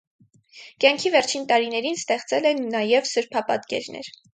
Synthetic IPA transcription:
kjɑŋkʰivɛɾt͡ʃʰint̪ɑɾinɛɾinst̪ɛχt͡sɛlɛnːɑjɛvsəɾpʰɑpɑ̰t̪kɛ̰ɾnɛ̰ɾ

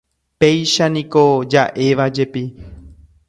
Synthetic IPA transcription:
pe̞jʃanĩko̞d͡ʒaʔe̞ʋad͡ʒe̞pi

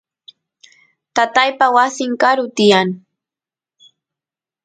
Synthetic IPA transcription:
t̪at̪ajpawasɪŋkaɾʊt̪ɪjaŋ

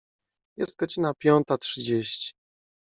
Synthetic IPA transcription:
jɛst̪̚ɡɔd͡ʑinapʲjɔnt̪atʂɘd͡ʑeɕt͡ɕi̥

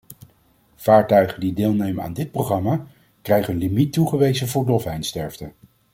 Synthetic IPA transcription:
v̥aːɹtœɥχədideːlˠnejməna̰ːndɪt̚prowχrɑma | krɛjχənlimituχəʋejzəvʊːɹdɔfɦɛjnstɛɹftə

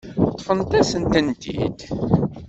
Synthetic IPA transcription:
t̪ˤːfənt̪æsənt̪ənt̪ḭd̪

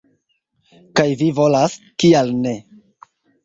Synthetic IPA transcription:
kajvivo̞las | kialne̞

